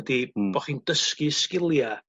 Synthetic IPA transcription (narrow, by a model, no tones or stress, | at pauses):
dib̥ɔχindəskiskɪlˠja